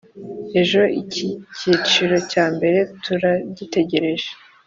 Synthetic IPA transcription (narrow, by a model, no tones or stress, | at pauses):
e̞ʒo̞ʔiciciːt͡ʃiɾo̞caːmbe̞ɾe̞tuɾaɟite̞ɟe̞ɾe̞ʒe